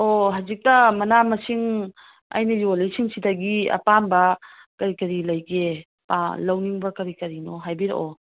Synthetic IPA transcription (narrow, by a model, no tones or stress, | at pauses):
oɦazik̚tɐmɐnamɐsiŋ | ɐ̰jnɐjolɐjsiŋsidɐɡiɐ̰panbɐ | kɐɾikɐɾilɐjɡe | palɐwniŋbɐkɐɾikɐɾinoɦajbiɾḛʔo